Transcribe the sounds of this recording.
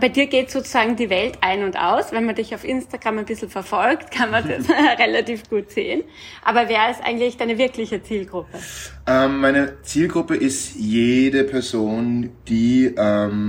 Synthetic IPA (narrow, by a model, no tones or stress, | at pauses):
b̥aɪdiːɐɡeːtz̥oːt͡suz̥aːɡŋ̩diːvɛltʔaɪnʊntʔa̰ʊsvɛnmɐndɪçaʊfʔɪnstaɡ̥ʁamɛɪnb̥ɪsl̩fɛɐfɔlktkʰanmansɛsʁɛlatiːfɡ̥uːtz̥ḛːən | ʔa̰ːbɐvɛːɐɛsʔa̰ɪɡŋ̩tlɪçd̥aɪnəvɪɐklɪçət͡siːlɡ̥ʁʊpəʔɛːmːaɪnət͡siːlɡʁʊpəʔɪstjeːdəpʰɛɐzoːnd̥iːʔɛm